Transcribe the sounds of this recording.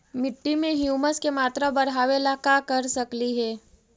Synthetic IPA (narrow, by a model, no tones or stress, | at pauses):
mɪʈːimẽɦijuːməskemaːt̪ɾabɐɾɦaːʋelakakɐɾsɐkliɦɛː